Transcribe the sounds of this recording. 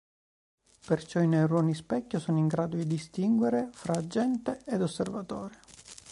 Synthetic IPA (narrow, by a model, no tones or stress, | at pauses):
pert͡ʃɔinerɔːnispɛkʲːosɔːniŋɡɾaːd̪od̪id̪ist̪iŋɡweɾefɾaːd͡ʒːɛnt̪eed̪osːervat̪ɔːɾe